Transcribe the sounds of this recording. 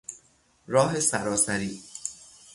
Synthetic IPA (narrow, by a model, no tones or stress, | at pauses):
ɾɒːɦe̞sæɾɒːsæɾiː